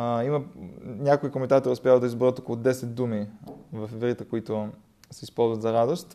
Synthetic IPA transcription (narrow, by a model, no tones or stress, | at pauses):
imɐnʲakoikomɛnt̪at̪oɾiʊspʲjaəd̪ɐizbɾət̪okolˠod̪ɛsɛt̪̚d̪umivɐfvɾit̪əkoit̪ʊ | sɛispɔlˠzvɐt̪zɐɾad̪ost̪